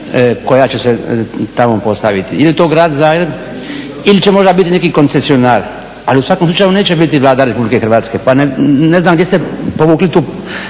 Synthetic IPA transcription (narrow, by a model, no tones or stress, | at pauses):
ko̞jat͡ɕeset̪amo̞po̞st̪aʋit̪iilit̪o̞ːɡɾaːd̪zaːɡɾe̞b | ilit͡ɕemo̞ʒd̪abit̪ine̞kiko̞nt̪sesionaːɾ | aliusʋakomslˠut͡ʃajuneːt͡ɕebit̪iʋlˠaːd̪aɾe̞publike̞xɾrʋaːt̪ske̞paneneznamɡd̪e̞st̪e̞po̞ʋuːklit̪uː